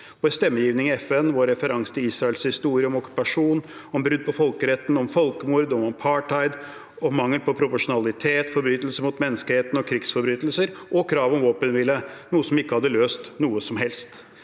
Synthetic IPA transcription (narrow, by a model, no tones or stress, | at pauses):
ɔɛst̪ɛmːəjiːʋnɪŋɪɛfɛnʋɔɾɛfəɾɑŋst̪ʰɪiːsɾɑɛlshɪst̪uːɾɪəɔmɔkʉ̥pɑʂuːnɔmbɾʉd̪̚ːpʰɔfɔlkəɾɛt̪ːn̩ɔmfɔlkəmuɾd̪ɔmɔmpʰɑːʈɑɪd̪ | ɔmɑŋːəlpɔpʰɾʊpɔʂʊnɑlɪt̪ʰeːt̪fɔɾbɾyːt̪lsəmʊt̪mɛnːəskəheːt̪ənɔkʰɾɪɡsfɔɾbɾyːt̪əlsəɾʔɔkʰɾɑːʋɔmʋoːpənʋɪlːənuːəsɔmɪkːəhɑd̪ːəløːst̪nuːəsɔmɦɛlst̪